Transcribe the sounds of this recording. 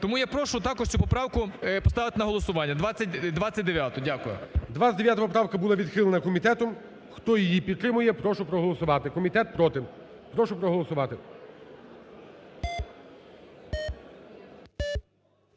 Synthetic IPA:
t̪ɔmujapɾɔʃʊt̪ɑkɔʃt͡ʃɔppɔpɾɑwkʊpɔst̪ɑʋɪt̪ɪnɐɦɔlˠɔsʊʋɑnʲːɐd̪ʋɑt͡sʲːɐtʲd̪ʋat͡sʲːɐt̚ʲd̪eʋʲjat̪ʊdʲakʊjʊ̰d̪ʋaɐtd̪eʋjat̪ɐpɔpɾɑwkɐbulˠɑʋʲid̪xɪlˠenɐkɔmʲit̪ɛt̪ɔm | xt̪ɔjijipʲit̪t̪ːɾɪmʊjɛpɾɔʃʊpɾɔɦɔlˠɔsʊʋɑt̪ɪkɔmʲit̪ɛt̪̚pɾɔt̪ɪ | pɾɔʃʊpɾɔɦɔlˠɔsʊʋɑt̪ɪ

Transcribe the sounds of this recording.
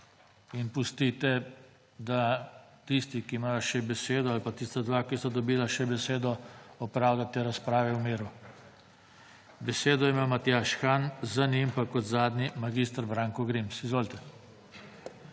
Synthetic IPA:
inpust̪it̪ɛ | d̪at̪ist̪ikiːmaːjɔʃɛbɛseːd̪ɔalpat̪ist̪ad̪ʋakisɔd̪ɔbiːlaʃɛbɛseːd̪ɔɔpɾaːwd̪at̪eɾaspɾaːʋɛwmiːɾu | bɛseːd̪ɔjɛmawmat̪jaʃxanzanimpakɔt̪zaːd̪nʲimaɡist̪ɾbɾaːŋkɔɡɾimsizʋoːlt̪ɛ

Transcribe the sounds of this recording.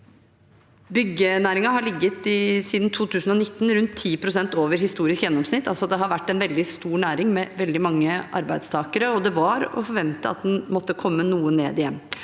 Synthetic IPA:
bʏɡːənæːɾɪŋɑɦɑɭɪɡːət̪ɪsiːd̪n̩t̪ʰuːt̪ʰʉːsn̩ɔnɪt̪ːn̩ɾʉnt̪ʰːiːpʰɾʊsɛnt̪oːʋəɾhɪst̪uːɾɪskjɛnːɔmsnɪt̪ːɑlsɔd̪ɛɦɑɾʋæʈːæɛnʋɛld̪ɪst̪uːɾɳæːɾɪŋmɛʋɛld̪ɪmɑŋːəʔɑ̰ɾbæɪd̪st̪ʰɑːkəɾəɔd̪ɛʋɑɾɔ̰fɔɾʋɛnt̪əɑ̰t̪̚d̪ɛnmɔt̪ːəkʰɔmːənuːəneːd̪ɪjɛmː

